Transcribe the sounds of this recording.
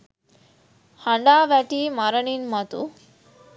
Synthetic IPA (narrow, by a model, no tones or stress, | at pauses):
hɐɳɖaːʋɛʈimɐɾɐɳinmɐt̪ṵ